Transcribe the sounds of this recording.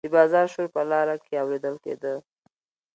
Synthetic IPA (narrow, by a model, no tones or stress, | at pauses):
d̪̥əbɑzɑɾʃoɾpəlɑɾakeawɾed̪əlkḛd̪ə